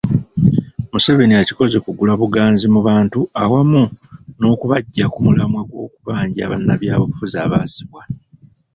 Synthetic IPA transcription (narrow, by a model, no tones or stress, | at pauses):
museβe̞niaciko̞ze̞kuɡulaβuɡaːnzimuβaːntuawamuno̞ːkuβaɟːakumulamwaɡwo̞̰ːkuβaːɲɟia̰βa̰nːaβjaːβoβufuzaːβaːsi̥βwa